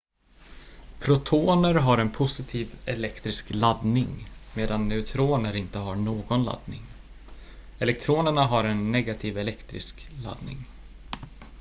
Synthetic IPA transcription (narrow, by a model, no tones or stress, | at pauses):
pʰɾʊt̪ʰoːnəɾɦaɾɛnpʰʊsɪt̪ʰiːvɛlɛkt̪ɾɪsklad̪nɪŋmeːd̪anːɛʉt̪ʰɾoːnəɾɪnt̪əɦaɳoːɡɔnla̰d̪nɪ̰ŋ | ɛlɛk̚t̪ʰɾoːnəɳaɦaɾɛnːɛɡat̪ʰiːvɛlɛkt̪ɾɪ̰skla̰d̪nɪ̰ŋ